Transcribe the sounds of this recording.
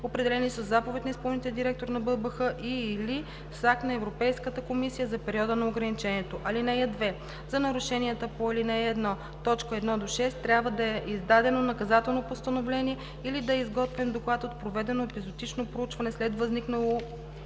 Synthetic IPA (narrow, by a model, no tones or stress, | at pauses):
opɾɛd̪ɛlɛnisəzːapovɛt̪ʲnɐispɔlˠnit̪əd̪iɾɛk̚t̪oɾnɐbɤlˠbəxɤʔili | saknɐɛvɾopɛjskət̪əkomisijəzɐpɛɾiɔd̪ənɐoɡɾɐnit͡ʃɛniɛt̪oʔɐlinɛjɛd̪vɛ | zɐnɐɾʊʃɛniɛt̪əpoɛlinɛːd̪nɔ | t̪ɔt͡ʃkəɛd̪nɔd̪oʃɛst̪t̪ːɾʲabvəd̪ɐɛʔizd̪ad̪ɛnonɐkɐzat̪ɛlˠnopost̪ɐnovlɛniɛ | ilid̪ɐizɡɔt̪vimd̪oklˠat̪ot̪̚pɾovɛd̪ɛnopizod̪it͡ʃnopɾout͡ʃvɐnɛslɛt̪vɐzniknəlˠo